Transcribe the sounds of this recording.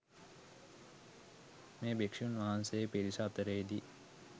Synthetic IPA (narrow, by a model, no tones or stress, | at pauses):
meːbekʂijunʋaɦansejepiɾisɐːt̪əɾeːd̪i